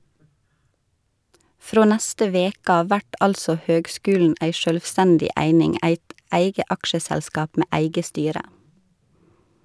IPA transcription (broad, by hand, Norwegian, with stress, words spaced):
ˈfɾoː ˈnæstə ˈʋeːk ˈɑː ˈʋæʈ ˈɑlsɔ ˈhøːɡˌskʉːlɳ̩ ˈʔæɪ ʃœlʋˈstændɪ ˈæɪnɪŋ ˈæɪt ˈʔæɪɡə ˈʔɑkʃəsælˌskɑːp ˈmeː ˈʔæɪɡə ˈstyːɾə